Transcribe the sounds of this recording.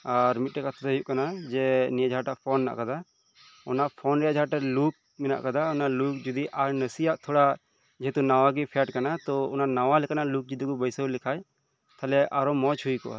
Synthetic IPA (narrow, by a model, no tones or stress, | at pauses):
aɾmit̪̚ʈɛkat̪ʰat̪ɦjuʔkanad͡ʒɛniad͡ʒʱaʈaʔpʰɔnna̰ʔkad̪a | ɔnaʔpʰɔnɾɛjad͡ʒʱaʈaluk̚mɛna̰ʔkad̪aɔnaluk̚d͡ʒud̪iʔaɾnəsijaʔt̪ʰɔɽa | d͡ʒɛɦɛt̪unawaɡipʰɛaʈkanat̪ɔɔnanawalɛkanaʔluk̚d͡ʒid̪iɡubəjsəwlikʰaj | t̪ʰalɛʔaɾɔmɔt͡ʃhujkɔ̰ʔa